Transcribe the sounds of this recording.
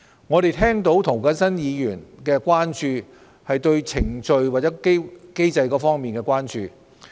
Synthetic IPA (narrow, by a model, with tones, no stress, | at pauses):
ŋɔː˨˧ɾe˨jt̪ʰɛː˥ŋt̪o˨˥wt̪ʰʊ˨˩ŋkɐ˨˥nsɐ˥njiː˨˧jyː˨˩nkɛː˧kʷaː˥nt͡ʃyː˧ | hɐ˨jt̪ɵ˧ɥt͡sʰɪ˨˩ŋt͡ʃɵ˧ɥwaː˨t̚t͡sɛ˨˦˥ke˥ke˥jt͡sɐ˧jkɔː˨˧˥fɔː˥ŋmiː˨˩nkɛː˧kwaː˥nt͡ʃyː˨˧